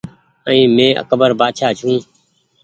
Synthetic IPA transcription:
əĩːmẽːʔə̰kəbəɾbaːʃʰaːt͡ʃʰũː

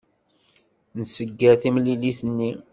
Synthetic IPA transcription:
nəsəɡːəθimliliθənːi

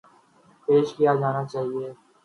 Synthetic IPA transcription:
peːʃkɪjaːd͡ʒaːnaːt͡ʃaːɦieː

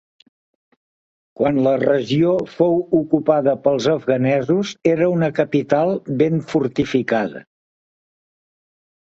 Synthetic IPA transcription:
kwanlərəʒiofowukupaðəpəlˠzəvɣənɛzuzeɾəunəkəpit̪alˠβeɱfuɾt̪ifikaðə̰

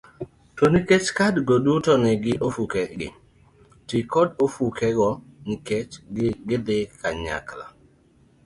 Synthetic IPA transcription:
tɔniket͡ʃkadɡodutɔnɪɡɪʔofukɛɡɪ̰ | tikɔdofukɛɡɔ | nɪket͡ʃɡɡɪd̪ɪkʰaɲa̰kla̰

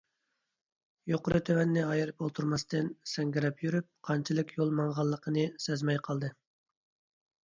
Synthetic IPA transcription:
joqʊɾɨt̪ʰøwɛnːɪɑjɨɾɨp̚bolˠt̪ʰuɾmɑst̪ɨnsɛŋɡʲɪɾɛpjyɾyp̚qʰɑnt͡ʃʰɨlˠɨkʲjolˠmɑŋʁɑlˠːəqʰənɨsɛzmɛjqʰɑlˠd̪ɨ

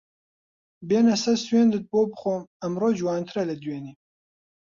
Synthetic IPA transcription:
beːnɐsɐsweːnd̪ɨt̪̚boːbχoːmɐmɾod͡ʒwɑːnt̪ʰɾɐlɐd̪weːni

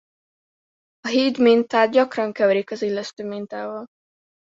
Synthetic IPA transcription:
ɒɦiːd̪mint̪aːd̪̚ɟɒkrɒŋkɛvɛɾikɒzilːɛʃt̪øːmint̪aːvɒl

